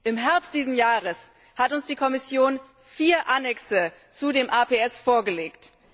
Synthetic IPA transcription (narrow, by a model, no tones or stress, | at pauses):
ʔɪmɦɛɐpst̚d̥iːzm̩jaːʁəs | hatʊnsd̥iːkʰɔmɪsjoːn | fiːɐʔanɛksə | t͡sudeːmʔaːpʰeɛsfoːɐɡəleːkt